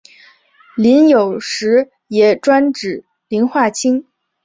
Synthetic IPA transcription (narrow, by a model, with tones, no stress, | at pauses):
li˧˥njo˨˩ʊʂɻ̩˧˥ | jɛ˨˩ʈ͡ʂwa˥nʈ͡ʂɻ̩˨˩ | li˧˥nxwa˥˩t͡ɕʰi˥ŋ